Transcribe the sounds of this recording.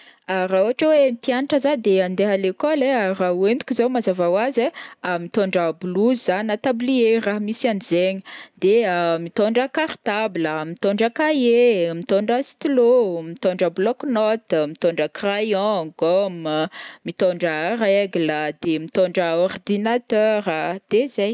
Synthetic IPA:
aɾauaʈ͡ʂəwemipjanaʈ͡ʂəzad̪eand̪eɦalekoleaɾawend̪u̥kʲizawmazavawazeamit̪oɳɖ͡ʐəbuluzzanat̪ablieraɦamisianizeɲəd̪eəmit̪oɳɖ͡ʐəkart̪abləmit̪oɳɖ͡ʐəkajemit̪oɳɖ͡ʐəsi̥t̪lomit̪oɳɖ͡ʐəblɔknɔt̪mit̪oɳɖ͡ʐəkrajɔ̃ɡɔmmit̪oɳɖ͡ʐərɛɡləd̪emit̪oɳɖ͡ʐəɔrd̪inat̪œɾəd̪̥ezaj

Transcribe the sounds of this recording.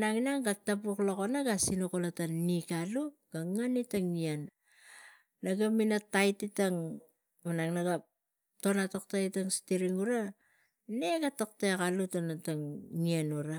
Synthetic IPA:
naŋinaŋɡatapuklokonaɡasinukolatanːikaluɡ̥aŋanitaŋian | aɡaminatajtitaŋ | manaŋnaɡa | to̞natoktaitaŋstiɾiŋuɾa | neɡatok̚takalutonataŋːianuɾa

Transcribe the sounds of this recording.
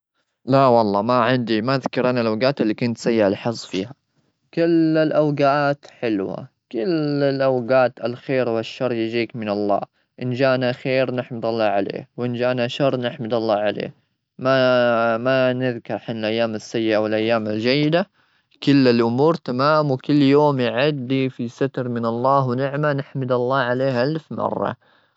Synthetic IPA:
lawɑlˤːɑːmaʕɪnd̪imaðkɑɾˤʔanalʔawɡaːt̪ɪlːikʊnt̪sajːaʔalħɑzˤːfiːha | kɪlɪlʔawɡaaːt̪ħɪlwa̰ | kɪlɪlʔawɡaːt̪alxeːɾwaʃːɑɾˤːjɪd͡ʒiːkmɪnɑlˤːɑ̰ː | ʔɪnd͡ʒaːnaxeːɾnɪħmɪd̪ɑlˤːɑːʕalḛːwʔɪnd͡ʒaːnaʃɑrˤːnɪħmɪd̪ɑlˤːɑːʕalḛː | mamanɪðkɑɾˤħanlʔajːaːmɪsːajːɪʔawɪlʔajːaːmɪld͡ʒajːɪd̪a | kʊlːɪlʔʊmuːɾt̪amaːmwkʊlːjoːmjɪʕad̪ːifisat̪ɾˤmɪnɑlˤːɑːɦwnɪʕmanɪħmɪd̪ɑlˤːɑːʕaleːhʔalfmɑ̰rˤːɑ̰

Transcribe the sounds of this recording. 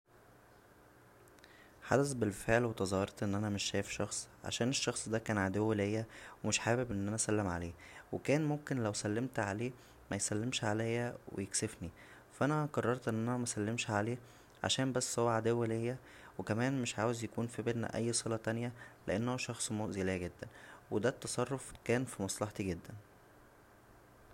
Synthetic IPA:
ħa̰d̪æsbelfeʕlwet̪ɑzˤɑhːɑɾˤt̪ʔenːʔænæmeʃːæːjefʃɑxsˤʕa̰ʃæːneʃːɑxsˤd̪æːkæːnʕad̪ewːelejːæwemeʃħaːbebʔenːʔænæʔsælːemʕa̰leːwekæːnmomkenlæwsælːemt̪ʕaleː | mæjsælːemʃʕalæjːæwḛjeksefni | fʔænæqɑrˤːɑɾˤt̪ʔenːʔænæmæsælːemʃʕaleː | ʕa̰ʃæːmbæsːhowːæʕad̪ewːelejːæ | wekæmæːnmeʃʕaːwezjækuːnfibelnæ̰ʔæjːsˤelæt̪ænjæleʔenːoʃɑxsˤmoʔzelæːɡed̪ːænwed̪æt̪ːɑsˤɑrˤːofkæːnfimɑsˤlɑħt̪iɡed̪ːæn

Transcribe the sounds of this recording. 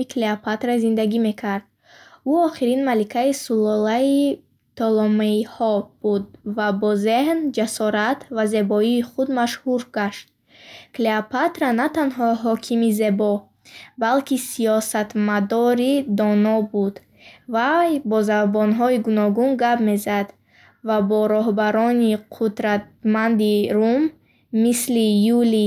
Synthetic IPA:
ikʰleapʰat̪ɾazind̪aɡime̞kʰaɾd̪̥̚ | uɔχiɾinmalikʰaisulɔlai | t̪ʰɔlɔmaihɔb̥ud̪vabɔzehnd͡ʒasɔɾat̪ʰvaze̞bɔiːχud̪maʃhuɾɡaʃt̪̚ | kleapat̪ɾanat̪anɦɔɦɔkʰimize̞bɔ | balkʰisijɔsat̪mad̪ɔɾid̪ɔnɔbud̪ | vajbɔzavbɔnɦɔiɡunɔɡunɡabme̞zad̪ | vabɔɾɔɦbaɾɔniqʰud̪ɾat̪̚mand̪iɾumː | islijuli

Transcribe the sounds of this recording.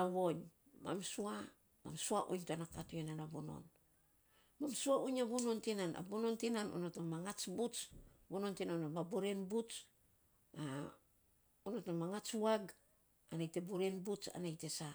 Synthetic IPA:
aβo̞ɲ | ma̰msua | ma̰msuaʔṵɲtanakatuenanabono̞̰n | mamsuauɲabuno̞ntinana̰bono̞ntinano̰notomaŋat͡ʃbut͡ʃbono̞ntinanomaboɾenbut͡ʃ | a | onotomaŋat͡ʃuaɡ | anajte̞boɾenbut͡ʃa̰najte̞sa

